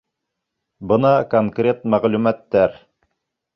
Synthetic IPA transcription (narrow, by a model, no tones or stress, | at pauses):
bɤnɑkoŋkrʲe̞t̪mæʁlʉmæt̪ːæɾ